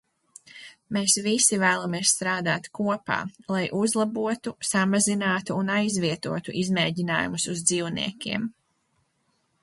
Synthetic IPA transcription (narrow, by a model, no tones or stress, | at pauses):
meːsvisivæːlˠamiɛssːt̪ɾaːd̪a̰ːt̪kuɔpa̰ːlˠajʔuzlˠabuɔt̪usamazinaːt̪uːnajzviɛt̪uɔt̪uʔizmɛːɟʲina̰ːjṵmusuzd̪ziːwnḭɛkʲḭɛm